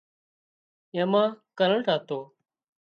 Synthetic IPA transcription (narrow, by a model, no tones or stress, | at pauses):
ẽːmãːkəɾəɳʈaːt̪oː